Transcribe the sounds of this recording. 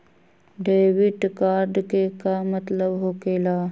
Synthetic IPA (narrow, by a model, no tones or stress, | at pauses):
ɖeːʋɪʈkaːɾɖkekamət̪ləbɦoːkeːlaː